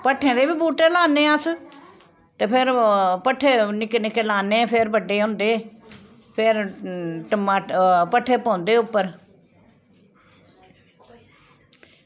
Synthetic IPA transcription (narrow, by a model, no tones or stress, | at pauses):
pəʈʰːẽːd̪eːbiːbuːʈeːlaːneːəs | t̪eːpʰɪɾpəʈʰːeːnɪknɪkeːlaːnẽːpʰɪɾbəɖːeːɦʊ̃ːnd̪eː | pʰɪɾʈəmaːpəʈʰːeːpɔ̃ːnd̪eːʊpːəɾ